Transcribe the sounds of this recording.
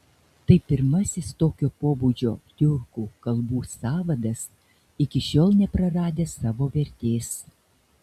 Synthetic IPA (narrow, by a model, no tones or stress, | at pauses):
t̪ɐɪpʲɪɾmɐsʲɪst̪oːkʲoːpoːbud͡ʒʲo̰ːj̪ʲʊɾkuːkɐlˠbuːsɑːʋɐd̪ɐs | ɪkʲɪʃʲoːlˠnʲɛpɾɐɾɑːd̪ʲeːsɑːʋoːʋʲɛɾʲt̪ʲeːs